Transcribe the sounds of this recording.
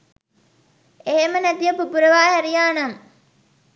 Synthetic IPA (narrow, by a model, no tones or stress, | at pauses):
eɦemənæt̪ijəpubuɾəʋaːɦæɾijaːnɐŋ